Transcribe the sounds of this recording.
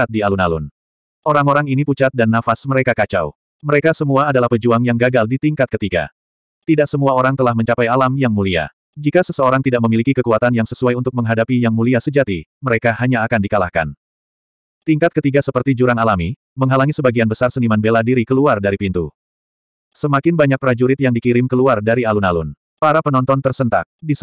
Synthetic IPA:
at̪̚dialunalun | ʔoɾaŋoɾaŋiniput͡ʃat̪̚danːafasməɾekakat͡ʃa̰w | məɾekasəmuaːdalahpəd͡ʒuaŋjaŋɡaɡaldit̪iŋkat̪̚kət̪iɡa̰ | t̪idaʔsəmuaoɾaŋt̪əlahməɲt͡ʃapajalamjaŋmulia̰ | d͡ʒikasəsəoɾaŋt̪idaʔ̚məmilikikəkuat̪anjaŋsəsuajunt̪ʊk̚məŋɦadapijaŋmuliasəd͡ʒat̪iməɾekaɦaɲaːkandikalahka̰n | t̪iŋkat̪̚kət̪iɡasəpərt̪id͡ʒuɾaŋalami | məŋɦalaŋisəbaɡianbəsarsənimanbeladiɾikəluardaɾipint̪ṵ | səmakɪnbaɲak̚pəɾad͡ʒuɾɪt̪̚jaŋdikiɾɪmkəluardaɾialunalun | paɾapənɔnt̪ɔnt̪ərsənt̪a̰k̚di

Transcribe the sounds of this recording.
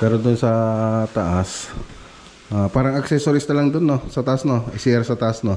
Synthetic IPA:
pɛːɾod̪ʊnsɐt̪ɐʔas | ʔaːpaːɾɐŋɐksɛsoɾɪsnɐlɐŋd̪onːosɐt̪ɐʔasnoʔɪsiʔɛɾsɐt̪ɐʔasno

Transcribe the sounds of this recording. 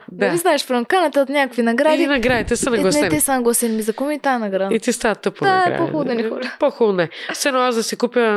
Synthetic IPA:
d̪aviznaɛʃfɾɐmkanɐt̪ɐt̪nʲakkvinɐɡɾad̪inɐɡɾad̪it̪ɛsɐnɐɡɔsɛt̪ɛsanɐɡɔst̪ɛnimizɐkumiːt̪aɛnɐɡɾad̪it̪ist̪aɐt̪opd̪aɛ̰pɔulˠd̪ɐnixɔlɐpɔxulˠʊnɛsɛnoazd̪ɐsɛkupjə

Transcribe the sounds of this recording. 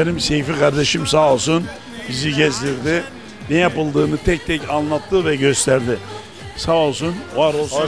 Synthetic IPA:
enimsejifikʰaɾd̪e̞ʃimsaːolˠsun | biziɟɛzd̪ʲiɾd̪ɪ | nɛjapɯlˠd̪ɯːnɯt̪ʰɛc̚t̪ʰɛcanlˠat̪ʰːɯvɛɟø̞st̪ʰæɾd̪ɪ | saːolˠsunvaɾolˠ

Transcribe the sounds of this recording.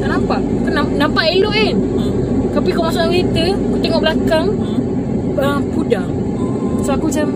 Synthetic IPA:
t̪aʔnampaʔ | kənanampaʔiloʔɪn | t̪apikamasaʔwit̪əakut̪eŋɔʔbəlakaŋ | ə | pudah | sakut͡ʃam

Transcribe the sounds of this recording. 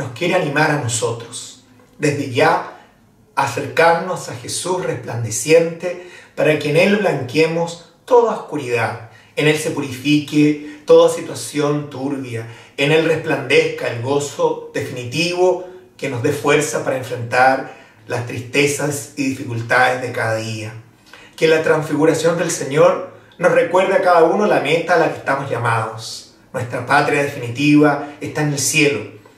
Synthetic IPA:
no̞skjeɾeanimaɾanosot̪ɾos | d̪e̞zðeʝa | aseɾkaɾnosaxesusrehpland̪esje̞nt̪epaɾakeːnelβlaŋkjemos | t̪oðaoskuɾið̞að | ene̞lse̞puɾifiket̪oðasit̪wasjo̞nt̪uɾβjaene̞lrehpland̪eskaelɣo̞soðe̞finit̪iβokeno̞zðefwe̞ɾsapaɾaẽɱfɾe̞nt̪aɾ | last̪ɾist̪esasiðifikult̪aðezðekaðaðia | kelat̪ɾaɱsfiɣuɾasjo̞nd̪elseɲoɾ | nosrekwe̞ɾrðeakaðaunolamet̪aːlake̥st̪amozʝamaðos | nwe̞st̪ɾapat̪ɾjaðefinit̪iβaest̪aenelsje̞lo

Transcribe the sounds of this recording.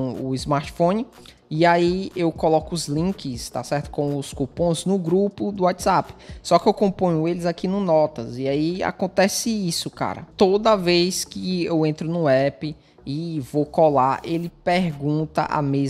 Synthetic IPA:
ʊizmaɾt͡ʃ̪fõnɪ | iaiewkɔlɔkʊʊzlĩkɪst̪a̰sɛɾt̪ʊ̥kõw̃ʊskupõznʊɡɾupʊd̪ʊwat̪z̥apɪ̥sɔkɪewkõpõɲ̃ʊelɪzakinʊnɔt̪ɐziaia̰kõt̪ɛsɪisʊka̰ɾɐ̰t̪od̪ɐvejskɪewẽt̪ɾʊnʊɛpɪː | vokɔlaʔelɪpeɾɡũt̪ɐ̰ʔa̰mez

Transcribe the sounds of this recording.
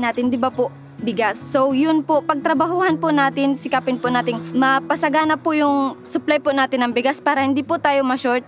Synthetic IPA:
naːt̪ɪnd̪ɪbapʊʔ | bɪɡasːowjʊnpopɐɡ̚t̪ɾɐbaɦuhɐnpʊnaːt̪ɪnsɪkaːpɪnpʊnaːt̪ɪŋmɐpɐsɐɡaːnɐpːʊʔjʊŋsʊplajpʊnaːt̪ɪnːɐŋbɪɡaspaːɾɐhɪnd̪iːpʊt̪aːjomɐʃoɹt̪̚

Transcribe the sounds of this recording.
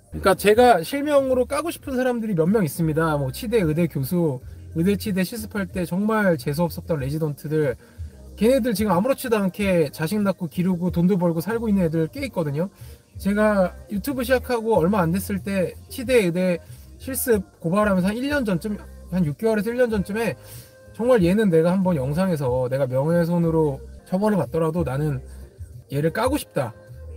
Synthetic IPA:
kɯɲik͈at͡ɕe̞ɡaɕʰiɭmjʌŋɯɾok͈aɡoɕʰi̥pʰɯnsʰaɾamdɯɾimjʌnmjʌŋis͈ɯmɲidamʌt͡ɕʰide̞ɯde̞kjosʰuɯde̞t͡ɕʰide̞ɕʰiɭs͈ɯ̥pʰaɭt͈e̞t͡ɕʌŋmaɭt͡ɕe̞s̬ʰoʌps͈ʌp̚t͈ʌnɾe̞d͡ʑidʌntʰɯdɯɭ | kenedɯɭt͡ɕiɡɯmamuɾot͡ɕʰidoɦankʰe̞t͡ɕaɕʰiŋnak͈̚okiɾuɡutondobʌɭɡosʰaɭɡoinːɯnedɯɯɭk͈eik͈ʌdɯɲo | t͡ɕe̞ɡajutʰubɯɭɕ̬ʰid͡ʑakʰaɡoʌɭmaːnde̞s͈ɯɭt͈e̞t͡ɕʰide̞ɯde̞ɕʰiɭs͈ɯb̚kobaɾɦamjʌns̬ʰʌɦaniʎːʌnd͡ʑʌnt͡ɕ͈ɯmhanjuk̚k͈ewʌɾe̞s̬ʰʌiʎːjʌnd͡ʑʌnt͡ɕ͈ɯme̞ | t͡ɕʌŋmaɭje̞nɯnːe̞ɡahambʌnjʌŋs̬ʰaŋe̞s̬ʰʌne̞ɡamjʌŋe̞s̬ʰonɯɾot͡ɕʌbʌnɯɭpat̚t͈ʌɾadonanɯn | je̞ɾɯɭk͈aɡoɕʰi̥p̚t͈a

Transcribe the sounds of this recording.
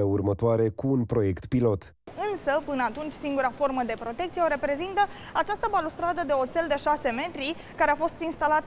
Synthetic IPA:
eurmət̪oaɾe̞kuːnpɾo̞je̞kt̪pilo̞t̪ | ɨnsəpɨnəat̪unt͡ʃʲsiŋɡuɾafo̞rməd̪e̞pɾo̞t̪e̞k̚t̪sieoɾe̞pɾe̞zint̪ə | at͡ʃast̪əbalust̪ɾad̪əd̪e̞ot̪se̞ld̪e̞ʃase̞me̞t̪ɾi | kaɾeafo̞st̪inst̪alat̪

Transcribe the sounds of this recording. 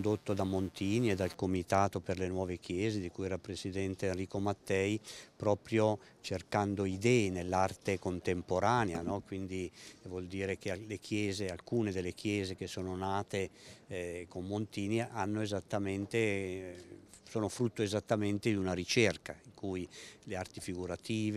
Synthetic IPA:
nd̪ot̪ːod̪amont̪iːnied̪alkomit̪aːt̪operlenwɔːvek̟jɛːzed̪ikujɛːɾapɾesid̪ɛnt̪eenriːkomat̪ːɛjpɾɔːpɾjo | t͡ʃerkand̪oid̪ɛːinelːart̪ekont̪empoɾaːneanɔkwind̪ivwɔld̪iːɾekealekʰjɛːzealkuːned̪elːekʰjɛːzekesːoːnonaːt̪e | komːont̪iːniʔanːoezat̪ːament̪e | soːnofɾut̪ːoezat̪ːament̪ed̪iunaɾit͡ʃɛrkaiŋkʰuːjleart̪ifiɡuɾat̪iːv

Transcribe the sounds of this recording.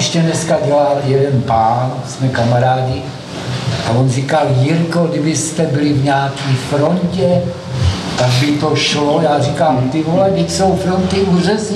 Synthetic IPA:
ɛʃcɛnɛskaɟɛlaːljɛdɛnpaːnsmɛkamaɾaːɟɪ | ʔavonrikaljɪɾkodɪbɪst̪ɛbɪlɪvɲaːkiːfɾoncɛ | t̪aɡbɪt̪oʃlojaːrikaːmt̪ɪmolɛɡdɪcso̞wfɾont̪ɪʔurɛs

